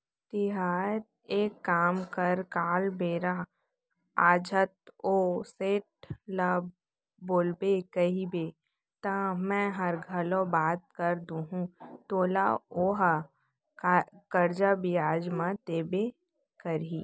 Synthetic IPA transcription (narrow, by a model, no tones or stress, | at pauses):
t̪ɪɦaːɾ | eːkːaːmkɐɾkaːlbeːɾa | aːd͡ʒʱət̪oːseːʈ̚lab | boːlbekɐɦibe | t̪ɐmɛ̃ɦɐɾɡʱəlõbaːt̪̚kəɾd̪ũɦũt̪oːla̰oːɦa | kkɐɾd͡ʒabɪjaːd͡ʒmãt̪eːbe | kɐɾiː